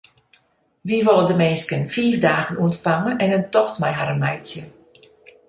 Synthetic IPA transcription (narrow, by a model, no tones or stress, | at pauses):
ʋiʋɔlˠədəmeːskənfiːfdaːɣənuəntfaŋənɛnəntɔxtmɛjɦaɾəmɛjsjə